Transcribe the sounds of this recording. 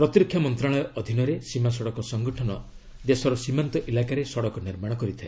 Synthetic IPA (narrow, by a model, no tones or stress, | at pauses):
pɾɔt̪iɾɔkʰjamɔnt̪ɾaɭ̃ɔjɔʔɔd̪ʱinɔɾesimas̬ɔɽɔkɔsɔŋɡɔʈʰɔnɔ | d̪esɔɾɔsimant̪ɔʔilakaɾesɔɽɔkɔniɾmaɽ̃ɔkɔɾit̪ʰae